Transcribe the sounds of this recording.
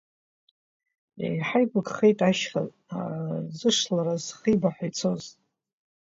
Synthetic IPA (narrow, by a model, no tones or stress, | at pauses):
ḛjħajkʷʊɡʼχe̞jtʼaʃχaz | azɨʂlaɾazχibaħʷajt͡sʰo̞z